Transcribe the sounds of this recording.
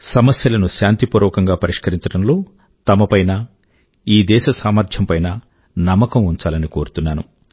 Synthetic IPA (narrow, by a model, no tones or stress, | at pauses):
sɐmɐsjɐlɐnuʃaːnt̪ipuːɾɔːkɐŋɡaːpɐɾiʂkɐɾiɲt͡ʃɐɽɐmlo̞ː | t̪ɐmɐpɐjnɐ | iːd̪ɛːʃɐsaːmɐɾd̪ʰʱjɐmpɐjnɐ | nɐmːɐkɐmuɲt͡ʃaːlɐniko̞ːɾut̪unːaːnṵ